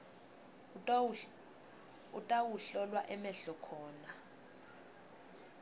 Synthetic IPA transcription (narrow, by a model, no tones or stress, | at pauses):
utʼawuɬɔlwaʔɛmɛɬɔkʰɔːna